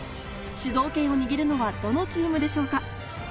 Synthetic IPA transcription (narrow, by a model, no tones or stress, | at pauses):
ɕɨzo̞ːkẽ̞ɰ̃o̞ɲ̟iɡʲiɾɯ̟no̞βad̪o̞no̞t͡ɕiːmɯ̟d̪e̞ɕo̞ːka